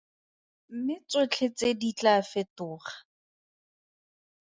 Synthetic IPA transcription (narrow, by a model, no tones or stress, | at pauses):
m̩mɪt͡sʼet͡ɬʰet͡sʼedit͡ɬʼafɪtʊːχḁ